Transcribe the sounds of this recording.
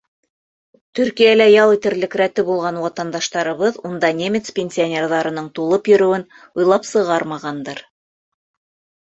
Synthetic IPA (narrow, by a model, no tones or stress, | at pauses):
t̪ɵɾkijælæjɑlit̪ɘ̆ɾlɘ̆kɾæt̪ɘbulˠʁɑnwɑt̪ɑnd̪ɑʃt̪ɑɾɤ̆βɤðund̪ɑnʲemʲet̪spʲenʲsʲionʲe̞rðɑɾɤ̆nɤɴt̪ulˠɤpjɵ̆ɾɵ̆wɘn | ŭjlˠɑpsɤ̆ʁɑɾmɑʁɑnd̪ɤɾ